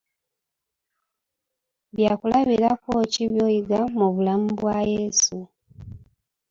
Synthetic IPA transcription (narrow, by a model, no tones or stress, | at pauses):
βjaːkulaβiɾakociβjo̞ːjiɡamuβulamubwajeːsu